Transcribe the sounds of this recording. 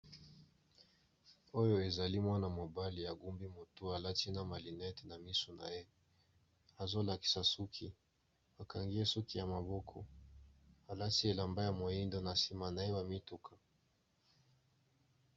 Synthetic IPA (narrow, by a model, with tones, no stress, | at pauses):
o˦jo˦e˨za˨li˦mwa˦na˨mo˨ba˦li˨ja˨ɡu˦mbi˦mo˨tu˦a˨la˦ti˦na˨ma˨li˨nɛ˦te˨na˨mi˦su˨na̰˨je˦ | a˨zo˦la˨ki̥˦sa˨su˦kʰi˨ | a˨ka˨ŋɡi˦e˦su˦ki˨ja˨ma˨bo˦kʰɔ̰˨ | a˨la˦si˦e˨la˨mba˦ja˨mo˨i˦ndo˦na˨si˦ma˨na˨e˦wa˨mi˦tu˦kʰa˨